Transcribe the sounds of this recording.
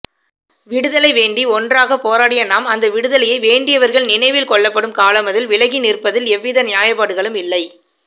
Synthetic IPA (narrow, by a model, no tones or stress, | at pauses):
ʋɪɽɯðɐlɐɪʋeːɳɖiɔndraːɣɐpːoːɾaːɽɪjɐnaːmɐnd̪ɐʋɪɽɯðɐlɐjɐɪʋeːɳɖɪjɐʋɐɾɣɐɭnɪnɐɪʋɪlkɔɭːɐpːɐɽɯmkaːlɐmɐðɪlʋɪlɐɣinɪrpːɐðɪlɛʋːɪðɐnɪjaːjɐpːaːɽɯɣɐɭɯmɪlːɐɪ